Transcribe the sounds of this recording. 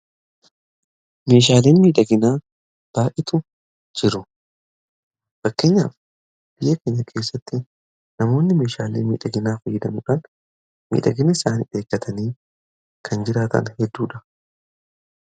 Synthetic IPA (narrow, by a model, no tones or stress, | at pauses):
me̞ːʃ̬aːleːnmiːᶑɐɡɪnaː | b̥aːʔɪt̪ʊ | d͡ʒɪɾʊ | fɐkːe̞ːɲːa̰ːf | b̥ɪjɐkeːɲːɐkʰe̞ːsːɐt̪ːɪ | nɐmo̞ːnːɪme̞ːʃaːlḛːnmḭːᶑɐɡɪnaːfɐjːɪd̪ɐmɪkɐn | mḭːᶑɐɡɪnɐɪsaːnḭːᶑe̞ːkːɐt̪ʰɐniː | kʰɐnd͡ʒɪɾaːt̪ɐ̰nhɛd̪ːuːᶑɐ